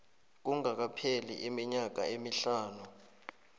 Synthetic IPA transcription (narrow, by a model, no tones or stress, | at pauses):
k̬uŋak̬apʰelḭʔimiɲak̬a̰emiɬaːnu